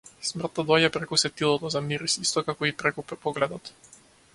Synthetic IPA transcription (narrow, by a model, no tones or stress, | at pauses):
smrt̪ːad̪ɔɟɛpɾɛkusɛt̪ilˠɔt̪ɔzamiɾisist̪ɔkakɔipɾɛkupɔɡlɛd̪ɔt̪